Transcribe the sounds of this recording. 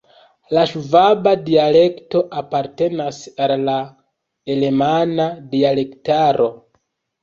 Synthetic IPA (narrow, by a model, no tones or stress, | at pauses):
laʃuvabadiale̞kto̞ʔapaɾte̞nasalːa | e̞le̞manadiale̞ktaɾʔo̞